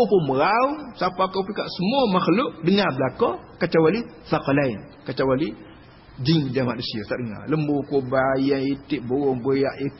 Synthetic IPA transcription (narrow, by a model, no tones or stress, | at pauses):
poməɣausapakopikaʔsəmumaxluʔdəŋabəlakokat͡ʃawali | sakalain | kat͡ʃawali | d͡ʒiŋdamadəsijosadəŋa̰ləmbukobajaitiʔbowobojaʔik